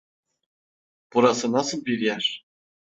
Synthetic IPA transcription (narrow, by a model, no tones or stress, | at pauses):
puɾɑsɤ̆nɑsɤ̆mpʲiɾʲjæʂ